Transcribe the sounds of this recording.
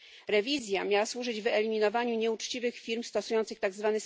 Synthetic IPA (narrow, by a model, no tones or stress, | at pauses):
ɾɛvʲizʲjamʲjawaswuʐɘd͡ʑvɛlʲimʲinɔvaɲuɲɛut͡ʂt͡ɕivɘxfʲiɾmst̪ɔsujɔnt̪sɘxt̪aɡzvanɘ